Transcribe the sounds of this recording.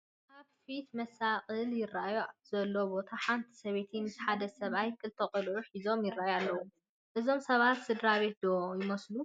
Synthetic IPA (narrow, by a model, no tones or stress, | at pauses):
ʔaβfit̪mɐsaqʼɨljɪrːajuz̥ɐlːobo̞t̪ʰaħant̪ʰi̥sɐβe̞t̪ʰinɨzʰħad̪ɐsɐβajkʰʼɨlt̪ʰɐqʼɨlʕuħizo̞mjɪrːajalːɐwu | ʔɨzo̞msɐβat̪sɨd̪ɾaβe̞t̪̚d̪ojɪmɐslu